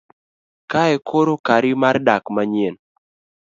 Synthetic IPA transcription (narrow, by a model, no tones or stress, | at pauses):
kaɛkʰoɾokaɾɪmardakmaɲen